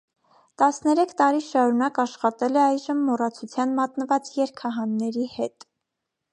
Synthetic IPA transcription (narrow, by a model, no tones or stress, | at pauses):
t̪ɑsnɛɾɛkʰt̪ɑɾiʃɑɾunɑkɑʃχɑt̪ɛlɛɑjʒəmːɔrɑt͡sʰut͡sʰjɑnmɑt̪nəvɑt͡sjɛɾkʰɑɦɑnːɛɾihɛt̪